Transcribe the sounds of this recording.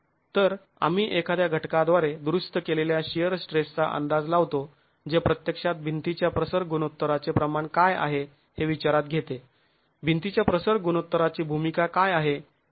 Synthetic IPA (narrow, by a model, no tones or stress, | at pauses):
t̪əɾ | a̰m̤iːʔekʰad̪jaɡʱəʈkad̪ʋaɾed̪ɾust̪əkeleljaɕijəɾsʈɾest͡sa̰ʔə̰nd̪ad͡zlaʋt̪o | d͡zepɾət̪jəkʂat̪̚bʱint̪it͡ɕjapɾəsəɾɡunot̪ːəɾat͡sepɾəmaɳkaja̰ɦe | heʋit͡ɕaɾat̪̚ɡʱet̪e | bʱint̪it͡ɕjapɾəsəɾɡunot̪ːəɾat͡ɕiːbʱumikakajaɦe